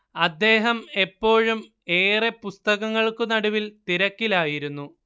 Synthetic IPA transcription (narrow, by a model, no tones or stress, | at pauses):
ɐd̪ːe̞ːɦɐme̞pːo̞ːɻum | e̞ːrepust̪ɐɣɐŋːɐɭkunɐɽuʋilt̪iɾɐkːilaːjiɾunːu